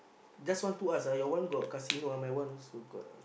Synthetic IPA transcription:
d͡ʒaswant̪uasajɔwanɡɔʔkasinuamawanusuɡɔ̰

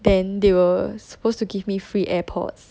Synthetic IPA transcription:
dɛ̃ndewəsə̥postuɡivmifɹiʔɛpʰɔ̰ts

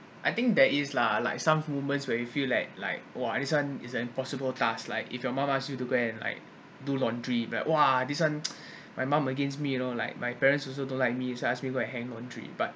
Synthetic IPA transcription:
ʔaɪt̪ɪ̃ŋk̚dɛtislala̰ɪksãmmuvmə̃ntswɛjufillaɪk̚la̰ɪk̚woadiswãnisə̃nĩmpɔsibəltasla̰ɪkḭfjɔmãmasjutuɡoɛ̃nla̰ɪk̚ | dulɔ̃ndɹila̰ɪʔwadiswãn | majmãməɡẽnsmijunola̰ɪk̚majpɛɹə̃nsɔls̬odõnlaɪk̚misoasmiɡoɛ̃nɦɛ̃ŋlɔ̃ndɹḭb̥at̚

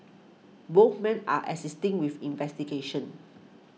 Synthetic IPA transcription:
boθmɛ̃na̰ʔɛ̰sistɪ̃ŋwifĩnvɛstiɡeʃə̃n

